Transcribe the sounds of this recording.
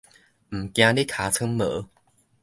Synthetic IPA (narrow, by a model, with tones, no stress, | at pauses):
m̩˨˩kj̃ã˧li˦˥kʰa˨˧˦t͡sʰɨ˧˦ŋmə̰˨˦